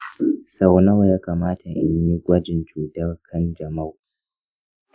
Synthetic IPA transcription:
sa˨wnɐ˦wjaː˦kaː˨maː˦tʰa˨ʔɪ̰˨ɲji˦ɡʷɐ˦d͡ʒɪ˨nt͡ʃuː˨dɐ˦rkʰɐ˦nd͡ʒɐ˨mɐ˦˨w

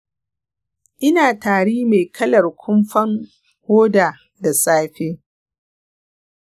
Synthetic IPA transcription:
ʔɪ˦naː˨taː˨ɽiː˦me˨kʰɐ˦lɐ˨rkʷʰʊ˦mɸɐ˦ŋ | hoː˦daː˨ | da˨saː˦ɸeː˦

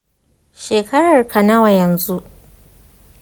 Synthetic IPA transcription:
ʃeː˨kɐ˦ɽɐ˨rkʰɐ˨nɐ˦wa˨jɐ˨nzu˦ʔ

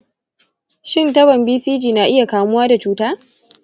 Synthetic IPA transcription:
ʃɪ˦˨ntɐ˦bɐ˨mbiː˦siː˦d͡ʒiː˨na˨ʔɪ˦ja˨kaː˨mʊ˦waː˦da˨t͡ʃuː˦taː˦

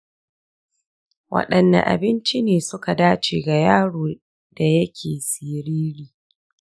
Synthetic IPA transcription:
wʔɐ̰˦ɗɐ˨nːɐ̰˨ʔa̰˨bɪ˦nt͡ʃi˦neː˨sʊ˦ka˨daː˦t͡ʃḛː˨ɡa˨jaː˦ɽoː˨ | d̥a˨jɐ˦kʲʰeː˨siː˨ɾiː˦ɾiː˨

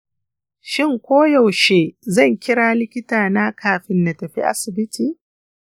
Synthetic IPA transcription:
ʃɪ˦ŋkʷoː˦ja˨wʃeː˦zɐ˦˨ŋkʲɪ˦ɽaː˦lɪ˦kʲɪ˦taː˨na˦kʰaː˨ɸɪ˦nːa˨tɐ˨ɸḭ˦ʔa̰˦sɪ˨bɪ˦tʰiː˨

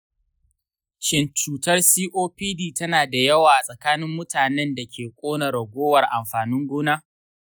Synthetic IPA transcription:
ʃɪ˦nt͡ʃuː˨tɐ˦rsiː˦ʔoː˦piː˦diː˦tɐ˦naː˨da˨jɐ˦waː˨ʔa˨sʼɐ˨kaː˦nɪ˦mːʊ˦taː˨nɛ˦nda˨kʲʰeː˨kʷʼoː˦nɐ˨ɾɐ˨ɡʷoː˦wɐ˨rʔa˨mɸaː˨nʊ˦ŋɡʷʊː˦naː˦

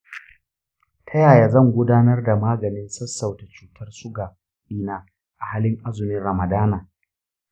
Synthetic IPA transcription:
tʰɐ˦jaː˨ja˨zɐ˦˨ŋɡʷʊ˦daː˦nɐ˦rda˨maː˦ɡɐ˨nɪ˦nsɐ˦sːa˨wta˨t͡ʃuː˦tʰɐ˦rsʊ˦ɡaː˨ | ʔiː˦naː˦ | ʔa˨haː˦lɪ˦ŋʔa˦zʊ˨mɪ˦nɽɐ˨mɐ˨daː˦naː˨

